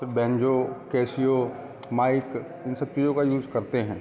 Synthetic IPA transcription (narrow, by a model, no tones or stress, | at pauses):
bɛ̃ːɲd͡ʒokɛːsijo | maːɪk | ɪnsɐb̚t͡ʃiːd͡ʒõkajuːzkɐɾt̪eɦɛ̃ː